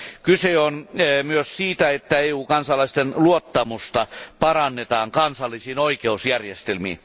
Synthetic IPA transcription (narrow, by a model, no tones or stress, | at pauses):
kyseonmyøssiːt̪æet̪ːæeːuːkɑnsɑlɑist̪enluot̪ːɑmust̪ɑpɑrɑnːet̪ɑːŋkɑnsɑlːˑisiːnoikeusjærjest̪elmḭːn